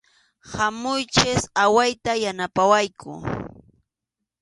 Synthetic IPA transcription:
hamʊjt͡ʃɪsawajt̪ajanapawajkʰʊ̰

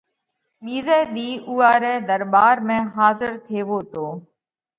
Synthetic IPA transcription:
ɓiːzɛːɗ̪iːʔuːaːɾɛːd̪əɾɓaːɾmẽːɦaːzəɾt̪ʰeːʋoːt̪oː

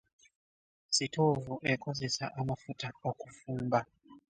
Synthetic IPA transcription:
sitʰovuʔɛkʰozisa̰ʔamafutʰaokʼufuːmba

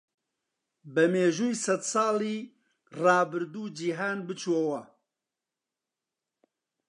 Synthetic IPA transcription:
bɛmeːʒuːjsɛd̪sɑːlˠiː | rɑːbɨɾd̪uːd͡ʒiːɦaːnbɨt͡ʃʰwowɐ

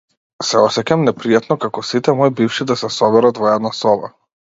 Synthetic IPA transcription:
sɛɔsɛcamnɛpɾijat̪nɔkakɔsit̪ɛmɔjbifʃid̪asɛsɔbɛɾad̪vɔɛd̪nasɔba̰

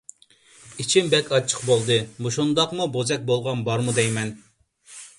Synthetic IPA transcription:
it͡ʃʰimbɛkʲʰɑt͡ʃʰə̥qbolˠd̪ɨbuʃund̪ɑqmubozɛk̚ʲbolˠʁɑnbɑɾmud̪ɛjmɛn

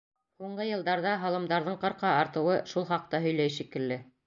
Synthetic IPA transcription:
huɴɢɤjɤ̆lˠd̪ɑɾðɑɦɑlˠɤ̆md̪ɑɾðɤɴqɤ̆ɾqɑɑɾt̪ɤ̆wɤʃulˠχɑq̚t̪ɑɦɵ̆jlæjʃikɘ̆lːɘ

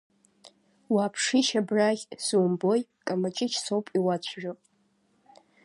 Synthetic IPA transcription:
waːpʰʂiʃabraχʲsuwmbojkʼamat͡ʃʼɪt͡ʃʰsowpʼiwat͡ɕʷʰʒᶣopʼ

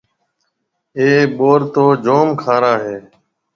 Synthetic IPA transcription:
eːɓoːɾt̪oːd͡ʒoːmkʰaːɾaːɦeː

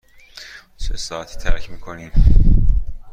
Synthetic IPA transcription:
sesɒːæt̪ʰi̥t̪ʰæɾcʰmiːkʰoniːm

